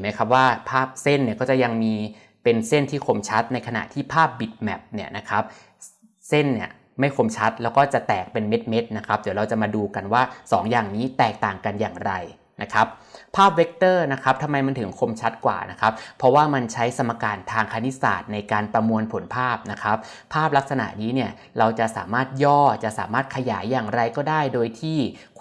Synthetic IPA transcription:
ma˦˥jkʰa˦˥p̚waː˥˩pʰaː˥˩p̚se˥˩nːi˥˩kɔː˥˩t͡ɕa˨˩ja˧ŋmiː˧ | pe˧nse˥˩nt̪ʰiː˥˩kʰo˧mt͡ɕʰa˦˥t̪̚na˧jkʰa˧na̰˨˩t̪ʰiː˥˩pʰaː˥˩p̚bi˨˩t̪̚mɛ˨˩p̚ni˥˩ɐna˦˥kʰa˦˥p̚ | se˥˩nni˦˥˩ɐ | ma˥˩jkʰo˧mt͡ɕʰa˦˥t̪̚lɛː˦˥wkɔː˥˩t͡ɕa˨˩t̪ɛː˨˩k̚pe˧nme˦˥t̪̚me˦˥t̪̚na˦˥kʰa˦˥p̚di˩˦ɾa˧wt͡ɕa˨˩ʔmaː˧duː˧ka˧nwaː˥˩sɔ̰ː˩˦ŋjaː˨˩ŋniː˦˥t̪ɛː˨˩k̚t̪aː˨˩ŋka˧njaː˨˩ŋɾa˧j | na˦˥kʰa˦˥p̚ʰːaː˥˩p̚we˦˥k̚t̪ɤː˥˩na˦˥kʰa˦˥p̚t̪ʰa˧mːa˧jma˧nt̪ʰɯ˩˦ŋkʰo˧mt͡ɕʰa˦˥t̪̚kwa̰ː˨˩na˦˥kʰa˦˥p̚pʰːɾɔ˦˥waː˥˩ma˧nt͡ɕʰa˦˥jsa˧mːa˧kaː˧nt̪ʰaː˧ŋkʰaː˧ni˦˥sa̰ː˨˩t̪̚na˧jkaː˧npɾa˧mu˧ənpʰo˩˦npʰaː˥˩p̚na˦˥kʰa˦˥p̚ʰːaː˥˩p̚la˦˥k̚sa˧na̰˨˩ʔniː˦˥ni˥˩ɐ | ɾa˧wt͡ɕa˨˩sa̰ː˩˦maː˥˩t̪̚jɔː˥˩t͡ɕa˨˩ʔsa̰ː˩˦maː˥˩t̪̚kʰa˧jaː˩˦jːaː˨˩ŋɾa˧jkɔː˥˩daː˥˩jdoː˧jt̪ʰiː˥˩

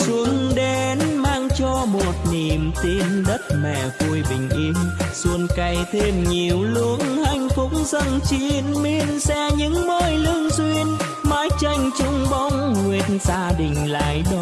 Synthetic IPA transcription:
su˧˦ənɗe˨˦nmaː˧ŋt͡ɕɔ˧mo˨˩t̚ni˨˩mt̪i˧nɗə˦˥t̚mɛ̰˧˨˩vu˧əjɓï˨˩ŋ̟ʔi˧msu˧ənka˧˩jt̪ʰe˧mɲi˨˩əwlu˧˦ənha˧˩jŋ̟fʊ˨˥k͡p̚ŋ͡mzə˧nt͡ɕi˧nmi˧ənsɛ˧ɲɨ̰˧˥ŋməː˧˩jlɨ˧əŋswi˧ən | maː˧˦jt͡ɕə˧jŋ̟t͡ɕʊ˧ŋ͡mɓa˧wŋ͡mŋwi˧˩ətnzaː˧ɗï˨˩ŋ̟la̰ː˧˨jɗɔ˧˦

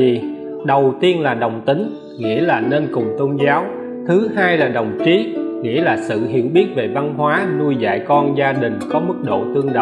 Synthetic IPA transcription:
i˨˩ | ɗə˨˩wt̪i˧ənlaː˨˩ɗə˨˩wŋ͡mt̪ï˨˦ŋ̟ | ŋḭ˧˥əlaː˨˩ne˧nkʊ˨˩ŋ͡mt̪o˧nzaː˨˦w | t̪ʰɨ˨˦ɦaː˧jlaː˨˩ɗə˨˩wŋ͡mt͡ɕi˨˦ŋḭ˧˥əlaː˨˩sɨ̰˧˨ɦḭ˧˨əwɓi˦˥ət̚ve˨˩va˧nɦwaː˨˦nu˧jza̰ː˧˨jkɔ˧nzaː˧ɗï˨˩ŋ̟kɔ˨˦mɨ˦˥k̚ɗo̰˧˨t̪ɨ˧əŋɗə̰˧˨

